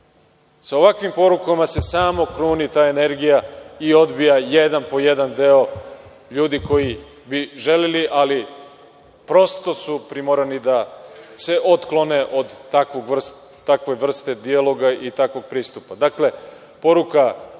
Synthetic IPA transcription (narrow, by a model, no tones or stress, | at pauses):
saoʋakʋimpo̞ɾukamase̞saːmo̞kɾuːnit̪aːene̞ɾɡijaio̞d̪bijajed̪anpo̞je̞d̪and̪eo̞ | ʎuːd̪iko̞ji | biʒe̞leliʔali | pɾo̞st̪o̞supɾimoɾanid̪ase̞ʔo̞t̪klˠo̞ne̞ʔod̪akʋoɡʋr̩s | akʋe̞ʋr̩st̪ed̪ialˠo̞ɡait̪akʋo̞ɡ̥̚pɾiːst̪upad̪akle̞ | po̞ɾuka